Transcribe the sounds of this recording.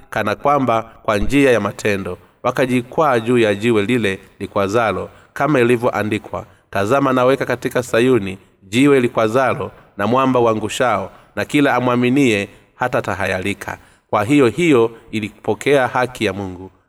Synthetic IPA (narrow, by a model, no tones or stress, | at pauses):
kanakwambakwaɲd͡ʒiajamatʰɛndɔ | wakaʄikwaːʄuːjaʄiwɛlilɛlikwazalɔ | kamailivjɔʔandikwa̰ | tazamanawɛkakatikasajuni | ʄiwɛlikwazalɔ | namwambauwaŋɡuʃaɔ | nakilaːmwaminiɛ | hatataɦajalikʰa̰ | kwaɦijɔhijɔiliku̥pɔkɛahakijamuŋɡu